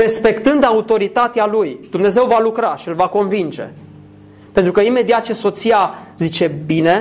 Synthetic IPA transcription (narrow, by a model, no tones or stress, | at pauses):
re̞spe̞kt̪ɨnd̪aut̪o̞ɾit̪at̪ealujd̪̥umne̞ze̞wvalukɾaʃiɨlvako̞nvind͡ʒe̞̰ | pent̪ɾukəime̞d̪iat̪̚t͡ʃe̞so̞t̪sijazit͡ʃe̞bine̞